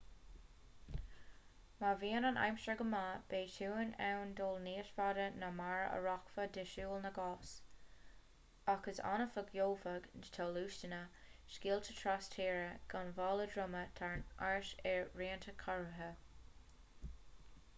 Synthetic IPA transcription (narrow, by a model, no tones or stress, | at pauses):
maviːənɑnʔa̰jmʃəɡəmab̥eːtuːənɛwndoːlniːʃfadənəmaɹə̰ɹɔkfədɪʃuːlnəɡɔs | akəsa̰nəfəɡjowfəɡntʰoːluːʃtənəʃkiːlt̪ʰətʰɹastʰiːɹəɡ̥anvɑːlədɹʊmət̪ʰaɹnaɹʃɛɹɹiːəntʰəkʰɔɹəɦə